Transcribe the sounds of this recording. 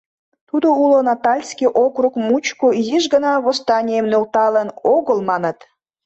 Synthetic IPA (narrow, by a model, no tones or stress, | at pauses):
t̪ud̪oulonɑt̪ɑlʲskiʔokɾukmut͡ɕkujiʒɡənɑβost̪ɑnʲijəmnølt̪ɑlənoɣəlmɑnət̪